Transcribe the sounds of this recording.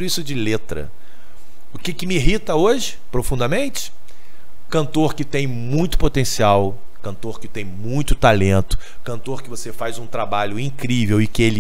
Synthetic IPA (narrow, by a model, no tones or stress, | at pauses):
ʊisʊd͡ʒɪlet̪ɾɐ̰ | ʊkɪkɪmɪiɦit̪ɐoʒɪpɾofũnd̪ɐmẽnt͡ʃɪ̥ | kɐ̃nt̪oɾkɪt̪ẽj̃mũj̃t̪ʊ̥pot̪ẽsiaw | kɐ̃nt̪oɾkɪt̪ẽj̃mũj̃t̪ʊt̪alẽnt̪ʊ̥ | kɐ̃nt̪oɾkɪvosefajzũt̪ɾabaʎʊĩkɾivewɪkɪelɪ